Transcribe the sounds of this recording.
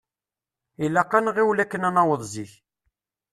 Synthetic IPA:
ilːæqːɑnʁiwlækːənænɑwəðˤziç

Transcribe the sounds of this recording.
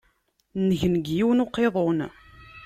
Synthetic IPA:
nəʝənəɡjiwnoqːeðˤon

